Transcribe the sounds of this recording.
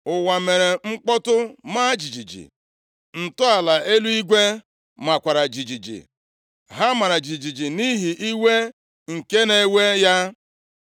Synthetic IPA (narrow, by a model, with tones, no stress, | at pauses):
ʊ˨wa˨me˨ɾe˨ŋ͡m̩˦k͡pɔ˦tʊ˦ma˦d͡ʒi˨d͡ʒi˨d͡ʒḭ˨ | n̩˨tʊ˦a˨la˨e˦lu˦i˦ɡʷe˦ | ma˨kʷa˨ɾa˨d͡ʒi˨d͡ʒi˨d͡ʒḭ˨ | ɦa˦ma˨ɾa˨d͡ʒi˨d͡ʒi˨d͡ʒi˨ni˦ɦi˨ʔi˦we˦ | ŋ̩˨ke˦ne˦we˦ja˦